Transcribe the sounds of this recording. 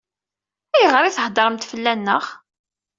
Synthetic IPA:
æjəʁɾˤiθəhd̪ˤəɾˤəmt̪fəlːænːəχ

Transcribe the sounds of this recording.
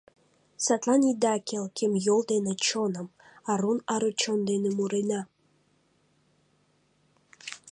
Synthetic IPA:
sat̪lˠanʲid̪akʲʰelˠkʲʰemjolˠd̪enet͡ɕonəm | ɑɾunɑɾot͡ɕond̪enemuɾena

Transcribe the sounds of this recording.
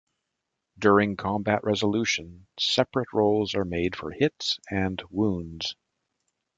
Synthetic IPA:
dʊɹɪ̃ŋkʰɑ̃mbæʔɹʔɛzəlʉʃɨ̃nsɛpɹɨt̚ɹoʊlˠzə˞meɪd̥fə̰˞hɪtsɨ̃nwũndz̥

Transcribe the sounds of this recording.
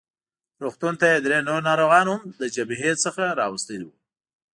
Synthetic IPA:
ɾuxt̪unt̪ajed̪ɾenonɑɾoɣɑnhʊmd̪əd͡ʒabiɦesəxaɾɑwəst̪əlwu

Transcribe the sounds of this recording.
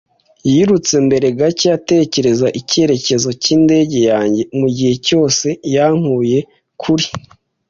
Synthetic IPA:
jiːɾut͡se̞mbe̞ɾe̞ɡacijate̞ːce̞ɾe̞zaʔice̞ɾe̞ce̞zo̞ciːnde̞ːɟe̞jaːɲɟe̞muɟihe̞co̞ːse̞jaŋ̥huːje̞ | kʰuɾi

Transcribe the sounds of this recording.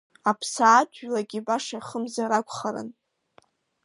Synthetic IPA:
apʰsaːt͡ʃʷʼɥlaɡʲibaʂajχəmzaɾakʷʼχaɾɨ̰n

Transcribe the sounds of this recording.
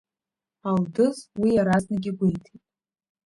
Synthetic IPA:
aldɨzwijaɾaznaɡʲɪɡʷejtʰetʼ

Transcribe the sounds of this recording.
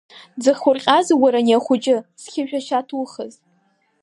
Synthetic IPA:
d͡zɨχʲʊrqʲʼazwaɾaniaχʷʊd͡ʒʼɪsχʲʰɪʒᶣaʃatʰuχəz

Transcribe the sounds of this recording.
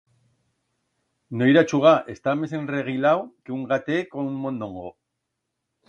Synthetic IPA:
noiɾat͡ʃuɣ̞aʔest̪ames̬enreɣ̞ilawkeuŋɡat̪ekonuŋmõnd̪õŋɡo

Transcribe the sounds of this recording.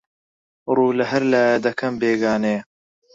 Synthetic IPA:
ruːlɐɦɐɾlaːjɐd̪ɐkʰɐmbeːɡaːneː

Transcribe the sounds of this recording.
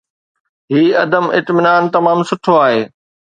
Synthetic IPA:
ɦiːɐd̪əmɪ̰t̪mɪnaːnt̪ɐmaːmsʊʈʰoaːɦeː

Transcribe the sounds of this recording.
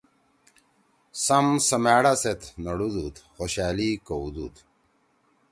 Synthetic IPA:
sɐmsɐmaːɽaset̪nɐɽud̪ut̪xoɕaːlikoud̪ṵt̪

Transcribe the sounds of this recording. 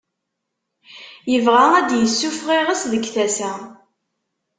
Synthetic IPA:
jəvʁææd̪jəsːufʁiʁəsðəɡθæsæ

